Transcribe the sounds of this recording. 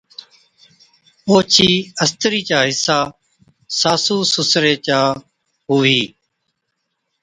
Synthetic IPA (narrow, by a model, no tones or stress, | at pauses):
oːt͡ʃʰiːəst̪ɾiːt͡ʃaːɦɪsaː | saːsuːsʊsɾeːt͡ʃaː | ɦʊʋiː